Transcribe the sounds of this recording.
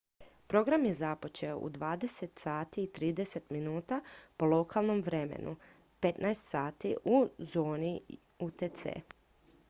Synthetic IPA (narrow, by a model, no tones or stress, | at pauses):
pɾo̞ɡɾamje̞zapo̞t͡ʃe̞o̰ʔṵd̪ʋaːd̪e̞se̞t̪saːt̪iːt̪ɾiːd̪e̞set̪minuːt̪apo̞lˠo̞kalˠno̞mʋɾe̞mḛnʔṵ | pe̞t̪naest̪saːt̪iʔuzo̞ːni | ut̪et̪sḛː